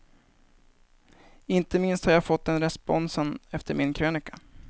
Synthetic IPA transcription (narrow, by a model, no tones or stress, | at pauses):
ɪnt̪əmɪnst̪haɾjaːfɔt̪ːɛnɾɛspɔnsənɛft̪əɾmɪnkʰɾøːnɪkḁ